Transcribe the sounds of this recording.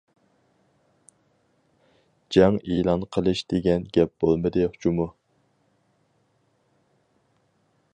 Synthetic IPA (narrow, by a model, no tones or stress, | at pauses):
d͡ʒɛŋiːlˠɑnqʰəlˠɨʃd̪̥eɡʲɛnɡʲɛp̚b̥olˠmɨd̪ɨχʊt͡ʃʰumu